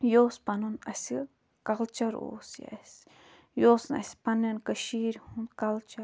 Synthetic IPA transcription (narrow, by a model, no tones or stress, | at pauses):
jospanũnʔasi | kalt͡ʃaɾo̰sja̰ʔes | josna̰sʲpanẽnkaʃiɾhũnkalt͡ʃa